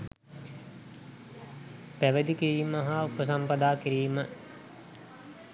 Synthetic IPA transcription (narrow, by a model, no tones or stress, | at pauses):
pæʋəd̪ikiɾiːməɦaupəs̬ampəd̪aːkiɾiːmə